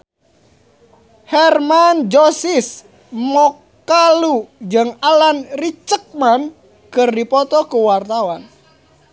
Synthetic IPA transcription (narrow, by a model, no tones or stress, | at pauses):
hɛrmand͡ʒosis | mɔkː | alud͡ʒɨŋalanrit͡ʃək̚man | kɨrdipɔt̪ɔkuwart̪awan